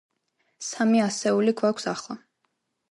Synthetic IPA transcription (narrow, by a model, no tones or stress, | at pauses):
samiasɛuliɡwakʷʰsaχlˠa